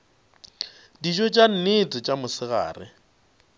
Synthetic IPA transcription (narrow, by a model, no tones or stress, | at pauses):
did͡ʒɔt͡ʃʼan̩nɪtʼɪt͡ʃʼamʊsɪɣa̰ːrɪ̰